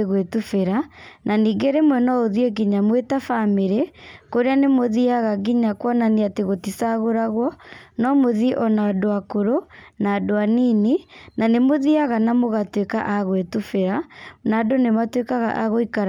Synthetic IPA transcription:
ɣwetufeɾanʔaniːɡeɾemwɛnɔoðieɣiɲamwetafameɾekoɾeanemoðiaɣaɣiɲakwɔnaniateɣotisaɣoɾaɣwɔnɔmoðiʔɔnaːdoakoɾonaːdoaniːninanemoðiaɣanamoɣatweka̰ʔaɣwetufeɾanadonematwekaɣa̰ʔaɣoikaɾ

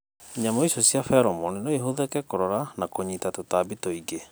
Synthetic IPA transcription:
ɲamoiɕɔsjafɛɾɔmɔninoiɦoðɛkɛkoɾɔɾanakoɲitatotabitɔiɡe

